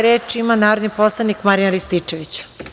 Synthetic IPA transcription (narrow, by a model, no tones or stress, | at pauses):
ɾeːt͡ʃimanaːɾod̪niposlˠanikmaɾinalist̪it͡ʂeʋit͡ɕ